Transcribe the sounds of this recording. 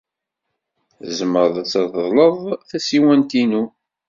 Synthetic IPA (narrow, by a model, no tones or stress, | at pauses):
zəməɾðˤt͡sːɑðˤəðˤləðˤθæsiwænt̪inu